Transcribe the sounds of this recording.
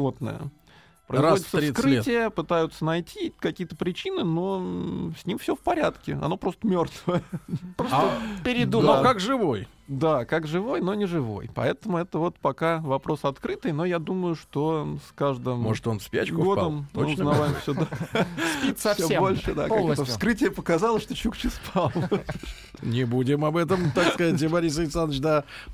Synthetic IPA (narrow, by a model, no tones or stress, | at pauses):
vo̞t̪̚nə̰jə̰ | pɾəɪzodɪt̪səɾikɾɨtʲɪjəpɨt̪ajʊt̪sənɐjtʲikɐkʲijət̪əpɾʲɪt͡ɕinɨno̞sʲnʲimfsʲɵfpɐɾʲat̪kʲɪɐ̰no̞pɾo̞st̪əmʲo̞rt̪vəjəpɾospʲɪɾʲɪd̪umd̪okakʐɨvoj | d̪akakʐɨvo̞jno̞nʲɪʐɨvo̞̰jpɐ̰ɛt̪əmʊɛt̪əvo̞t̪pɐkavɐpɾo̞sɐt̪kɾɨt̪ɨjno̞jad̪uməjʊʂt̪o̞skaʐd̪ɨmmoʐɨt̪o̞nspʲæ̰t͡ɕkʊɡo̞pd̪əmmɨʊznɐvajɪmfsʲod̪aspissʲobo̞lʲʂɨd̪a̰kakt̪əfskɾɨtʲɪjəpəkɐzɑlˠəʂt̪o̞t͡ɕukt͡ɕɪspʰɑlˠ | nʲɪbudʲɪmɐbɛt̪̬əmt̪akskɐzat̬ʲɪbɐɾʲisɐɪksanːət͡ɕd̪a